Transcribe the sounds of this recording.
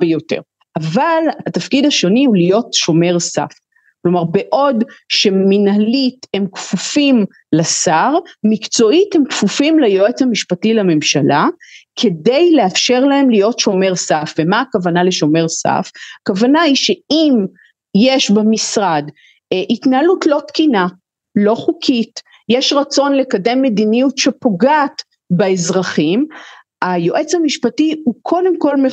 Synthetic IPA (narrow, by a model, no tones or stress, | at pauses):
bejotḛʁ | ʔavalahat̪afkidaʃo̞niulijo̞tʃo̞me̞ʁsa̰f | klo̞maʁbe̞ʔo̞dʃe̞minhalite̞mkfufim | lasaʁmikt͡so̞ithemkfufimlajoet͡shamiʃpatilame̞mʃalʔakʰe̞de̞jleafʃe̞ʁlae̞mlijo̞tʃo̞me̞ʁsafvemaːkavanaleʃo̞me̞ʁsa̰fakavanaiʃeim | jeʃbemisʁad | ʔitnalutlo̞tkina | lo̞χukʰit | jeʃʁat͡so̞nlekade̞mːe̞d̪inijutʃepo̞ɡaːt | beezʁaχim | ajo̞ʔe̞t͡shamiʃpatiukʰo̞demko̞lme